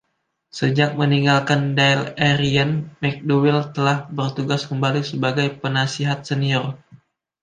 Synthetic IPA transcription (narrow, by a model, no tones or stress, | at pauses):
səd͡ʒak̚məniŋɡalkandajlɛɾianmɛk̚dowɪlt̪əlahbərt̪uɡaskəmbalisəbaɡajpənasiɦat̪̚səniɔr